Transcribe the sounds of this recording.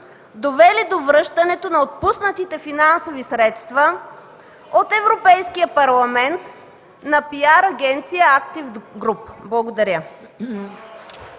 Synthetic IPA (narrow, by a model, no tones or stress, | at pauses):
d̪ovɛlid̪ovɾɤʃt̪ɐnɛt̪onɐot̪̚pusnət̪it̪ɛfinansovisɾɛt̪st̪vɐ | ot̪ɛvɾopɛjskijəpɐɾlˠɐmɛnt̪ | nɐpiaɾɐɡɛnt̪sijəakt̪ivɡɾupblˠɐɡod̪ɐɾʲə